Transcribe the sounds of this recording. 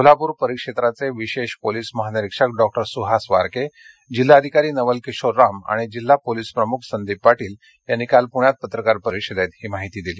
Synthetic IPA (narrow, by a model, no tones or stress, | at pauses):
kol̤apuɾpəɾikʂet̪ɾat͡seʋiɕeɕpoliːsməɦanəɾikʂəkɖɔk̚ʈəɾsuɦasʋaɾke | d͡ʑilːaəd̪ʱikaɾiːnəʋəlkeɕoɾːama̰ɽ̃id͡ʑil̤ːapoliːspɾəmukʰsənd̪ibːaʈiːl | janːiːkalpuɳ̃jat̪̚pət̪ɾəkaɾpəɾikʂed̪et̪hiːmaɦit̪iːd̪iliː